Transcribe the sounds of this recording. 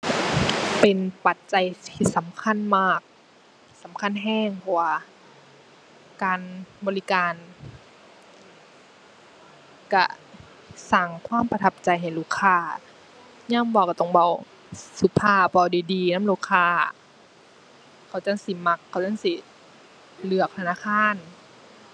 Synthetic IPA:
pe˨npa˨t̪̚t͡ɕa˨jt̪ʰiː˧˩sa˨˦mkʰa˧˥˨nmaː˧˥˩k̚ | sa˨˦mkʰa˧˥˨nɦɛː˧˥˩ŋpʰɔ˧waː˧ | kaː˨nbɔː˨li˧kaː˨˧n | ka̰˧˩ | saː˧˩ŋkʰwaː˧˥˨mpa˧t̪ʰa˧˩p̚t͡ɕa˨jɦa˨˩jluː˧˩kʰːaː˧˩ | ɲaː˧˥˨mbɔː˧wka˧˩t̪ɔ˧˩ŋba˧˩w | su˨˧˦t̪ʰaː˧˩˨pa˧wdiː˨˩diː˨˩naː˧˥˨mluː˧˩˨kʰaː˧˩ | kʰa˨˩wt͡ɕa˧˥˨ŋsi˧˦ma˧kʰːa˨˩wt͡ɕa˧˥˨ŋsi˧˦ | lɯ˧˩ək̚t̪ʰa˧naː˧˨kʰaː˧˥˨n

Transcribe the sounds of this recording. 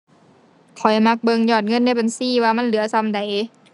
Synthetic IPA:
kʰɔ˨˩jma˧˥k̚bɤ˧ŋjɔː˧˩t̪̚ŋɤ˧˥˨nːa˧˥˨jba˨nsiː˧˥˨waː˧ma˧˥˨nlɯ˩˦ɐsa˧mda˨˩j

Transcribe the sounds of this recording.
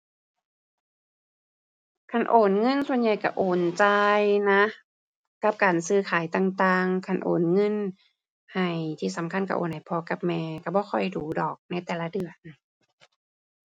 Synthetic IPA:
kʰa˧˥˩nʔoː˨˩nŋɤ˧˥˨nsu˧˨ənja˨˩jka˧˩ʔoː˨˩nt͡ɕa˧jna˦˥ | ka˧˦˥p̚kaː˨˩nsɯː˧˩kʰaː˨˦jt̪aː˧˩ŋt̪aː˧ŋkʰa˧˩nʔo̰ː˨˩nŋɤ˧˥˨n | ha˨˩jt̪ʰiː˧˩sa˨˦mkʰa˧˥˨nka˧˩ʔo̰ː˨˩˨nha˨˩jpʰɔ˧˦ka˧˦p̚mɛː˧ka˧˩bɔː˧˦kʰɔ˧˩jduː˨˧˦dɔː˨˩k̚na˧˩jt̪ɛː˨˩la˦˧˥dɯ˨˩ən

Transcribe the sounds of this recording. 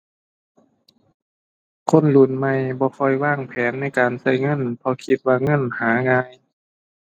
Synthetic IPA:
kʰo˧˥˨nlu˧˩nma˧˩jbɔː˧˦kʰɔ˧˩jwaː˧˥˩ŋpʰɛː˨˦nːa˧˥˨jkaː˨nsa˧˩jŋɤ˧˥˨npʰɔ˧kʰi˧t̪̚waː˧ŋɤ˧˥˨nhaː˨˦ŋaː˧j

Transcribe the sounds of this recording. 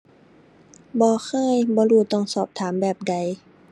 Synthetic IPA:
bɔː˧˦xʰɤː˧˥˨jbɔː˧˦ɾuː˧˩t̪ɔ˧˩˨ŋsɔː˨˩p̚t̪ʰaː˩˦mbɛː˨˩p̚da˧˩j

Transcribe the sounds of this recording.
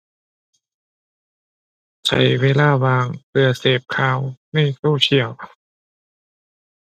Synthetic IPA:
t͡ɕʰa̰˨˦jweː˧˥laː˧˥˩waː˧ŋpɯ˧ɐseː˨˩p̚kʰaː˧˦wniː˥˩suː˥˩t͡ɕʰi˨˩˦əw

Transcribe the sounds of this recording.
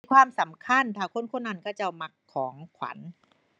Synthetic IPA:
kʰwaː˧˨msa˨˩˦mkʰa˧˥˨nt̪ʰaː˧˩kʰo˧˥˨nkʰo˧˥˨nːa˧˩nkaː˧˥˩wt͡ɕa˧˩wma˧kʰːɔː˩˦ŋkʰwa̰˨˩˦n

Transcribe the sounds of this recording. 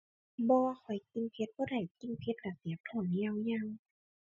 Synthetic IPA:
bɔː˧xʰɔ˨˩jki˧npʰe˧t̪̚bɔː˧da˨˩jki˧npʰe˧˦t̪̚laː˧˩si˨˦p̚t̪ʰɔ˧˩˨nni˧˨wja˧ŋ

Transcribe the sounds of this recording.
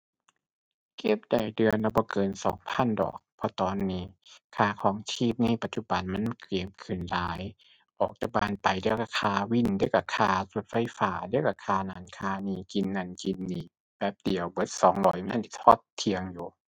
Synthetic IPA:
ke˧˩p̚da˨˩jdɯ˨˧ənla˧bɔː˧˦kɤː˧nsɔ̰ː˨˦ŋpʰa˧˥˨ndɔ̰ː˨˩k̚pʰɔ˧t̪ɔː˨nːiː˧˩kʰaː˧˩kʰɔː˨˦ŋt͡ɕʰiː˧˥˩p̚niː˧˩pa˨˩t̪̚t͡ɕu˧˩ba˨nma˧˥˨nkɾi˧˨˩p̚kʰɯ˨˧˩nlaː˨˦j | ʔɔː˨˩k̚t̪a˧˩k̚baː˧˨npa˨jdɯ˧˥˧wka˧˩kʰaː˧wi˧˩˨ndɯ˧˥˩wa˧˩kʰaː˧su˨˧˦t̪̚fa˧jfaː˨˦dɯ˧˥əwɾa˧kʰaː˧naː˨˦nkʰaː˧niː˧˩ki˧nːa˧˩nki˧nːiː˧˩ | bɛː˧˦p̚di˨əwbɤ˨˧˦t̪̚sɔː˨˦ŋlɔː˨˦jna˧˨nʔi˧˩t̪ʰɔː˧˩t̪ʰːi˧əŋjuː˨˩˦

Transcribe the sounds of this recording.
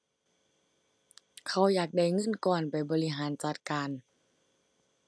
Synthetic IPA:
kʰa˧˩wjaː˨˩k̚da˧˩jŋɤ˧˥˨nkɔː˨˧˩npa˨˩jbɔː˨˧li˧ɦaː˩˦nt͡ɕa˨˩t̪̚kaː˨n

